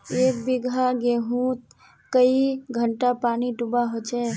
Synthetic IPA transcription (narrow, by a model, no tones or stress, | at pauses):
eːk̚biɡʱaɡeɦũːt̪̚ | kəiɡʱəɳʈapaːniɖubaɦot͡ʃɛ